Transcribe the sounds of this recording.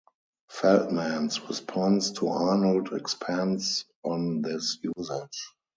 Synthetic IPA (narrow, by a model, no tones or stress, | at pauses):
fɛltmæ̃nsɹɛspʰɔ̃nstʰuʔanəldɛ̰kspʰæ̃ns | ɔ̃nðɪsjuzɪd͡ʒ